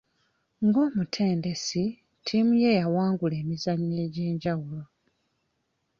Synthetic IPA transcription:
ŋɡo̞ːmutʰe̞ːnde̞si | tʰimuje̞jawaːŋɡule̞ːmizaɲːe̞ːɟe̞ːɲɟawulo̞

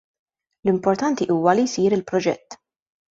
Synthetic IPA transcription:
lɪmpɔɾt̪ɐnt̪iʔuːwɐlijsiːɾɪlpɾɔd͡ʒɛ̰t̪ː

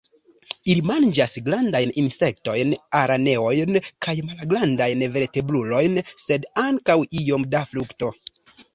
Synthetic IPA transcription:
ilimand͡ʒasɡlandajninse̞k̚to̞jnaɾane̞o̞jnkajmalɡlandajnve̞ɾte̞blulo̞jnse̞daŋkawio̞mdafɾukto̞

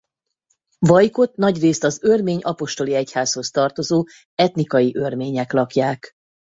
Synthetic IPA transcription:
vɒjko̞t̪nɒɟreːst̪ɒzørmeːɲʔɒpo̞ʃt̪o̞liɛchaːsho̞st̪ɒrt̪o̞zoː | ɛt̪nikɒjiʔørmeːɲɛklɒkjaːk

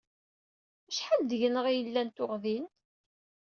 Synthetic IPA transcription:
əʃħald̪əʝənəʁijəlːænt̪ʊʁðin

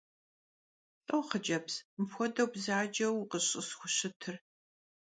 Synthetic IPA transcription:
ɬʼɐwχəd͡ʒʼɐpsmfʷɔdɐbzaːd͡ʒʼɐwqəɕʼəsxʷʊɕɨtʰɨr

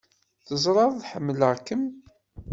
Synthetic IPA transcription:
θəzˤɾˤɑððħəmːələʁkəm

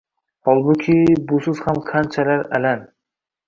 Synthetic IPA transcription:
hɒlˠbʊkʲʰɪbʊsʊz̥hamqʰant͡ʃʰalaɾa̰lan

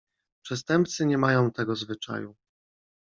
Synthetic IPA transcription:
pʂɛst̪ɛmp̚t̪sɘɲɛmajɔ̃w̃t̪ɛɡɔzvɘt͡ʂa̰ju

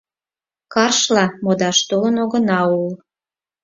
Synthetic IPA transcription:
kɑrʃlɑmod̪ɑʃt̪olənoɣənɑul

